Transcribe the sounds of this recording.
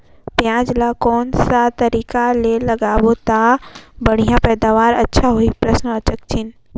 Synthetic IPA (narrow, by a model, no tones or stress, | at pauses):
pjãːd͡ʒlakɔːnsat̪ɐɾiːkalelɐɡaːʋot̪abɐɽ̤ijãpɛːd̪aːʋaːɾɐtːʃʰaɦoipɾɐsnət͡ʃək̚t͡ʃʰɪn